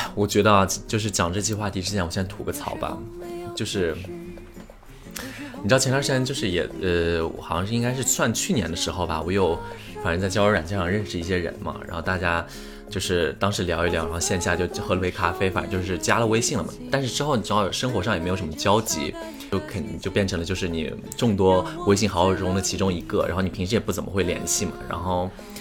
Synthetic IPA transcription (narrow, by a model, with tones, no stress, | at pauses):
wɔ˨˩t͡ɕɥɛ˧˥d̪ə˧˩t͡ɕjo˥˧ʊʂ̬ɻ̩˥˩t͡ɕjɑ˨˩ŋʈ͡ʂɤ˥˧t͡ɕʰi˥˧xwa˥˩t̪ʰi˧˥ʈ͡ʂɻ̩˥t͡ɕjɛ˥˩wɔ˨˩ɕjt̪ʰu˧˥ɡə˧t͡sʰɑ̰˨˩ʊbɐ̰˧t͡ɕjo˥˧ʊʂɻ̩˥˩ | ni˨˩ɻ̩ʰ˥˧˩ɛ˧˥nt̪ʰa˥ʂa˥nt͡ɕjo˥˧ʊʂɻ̩˥˩jɛ̰˨˩ə˧w̰xɑ˨˩ɕjɑ˥˧ŋʂɻ̩˥˧i˥ŋka˥ɪʂɻ̩˥˧sʰwa˥˧nt͡ɕʰy˥˩njɛ̰˧˥nd̪ə˧ʂɻ̩˧˥xo˧ʊbɐ̰˩wɔ˨˩jo˥˩ʊ | fa˨˩nʈ͡ʂə˥t͡sa˥˩ɪjɑ˥ʊə˞˧˥ɻa˨˩nt͡ɕjʂɑ˥˧ŋɻə˥˧nʂɻ̩˥˧i˥˩ɕjɛ˥ɻə̰˧˥nmɐ̰˧ɻa̰˧˥nxo˥˧ʊt̪a˥˩t͡ɕja˥ | t͡ɕjo˥˧ʊʂɻ̩˥˩t̪ɑ˥ŋʂɻ̩˧˥ljɑ˧˥i˥˩ljɻɕjɛ˥˧nɕja˥˩t͡ɕjo˥˩ʊ˥xɤ˧˥˧we˧˥ɪkʰa˥fe˥ɪfa̰˨˩ə˧˥t͡ɕjo˥˧ʊʂ̬ɻ̩˥˩t͡ɕja˥lə˨we˥ɪɕi˥˩ŋlə˩mə̰˩t̪a˥˧nʂ̬ɻ̩˥˧ʈ͡ʂɻ̩˥xo˥˩ʊni˨˩ʈ͡ʂu˧˥˩ʂə˥ŋxwɔ˧˥ʂ̬ɑ˥˩je˧˥ɪo˨˩ʂmə˧t͡ɕjɑ˥ʊt͡ɕḭ˧˥ | jo˥˩ʊkʰə˨˩n˧˥t͡ɕjo˥˧ʊpjɛ˥˩nʰʈ͡ʂʰɤ˧˥ŋlə˧t͡ɕjo˥˧ʊʂɻ̩˥˩nḭ˨˩ | ʈ͡ʂʊ˥˩ŋt̪wɔ˥we˥ɪɕi˥˩ŋxɑ˧˥ʊ˨˩˥ʊ˥ŋd̪ə˨t͡ɕʰi˧˥ʈ͡ʂʊ˥ŋi˧˥ɡə˥˧ɻa̰˧˥nxo˥˩n˨˩pʰi˧˥ŋʂɻ̩˧˥jɛ˨˩pu˥˩t͡sə˨˩mə˦xwe˥˩ɪljɛ̰˧˩nɕi˥˩mɐ̰˩ɻa̰˧˥nxo˥˩ʊ